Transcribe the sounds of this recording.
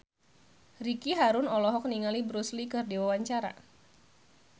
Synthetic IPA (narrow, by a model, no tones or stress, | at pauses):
rikiɦaɾʊnɔlɔɦɔk̚niŋalibɾuslikɨrdiwawaɲt͡ʃaɾa̰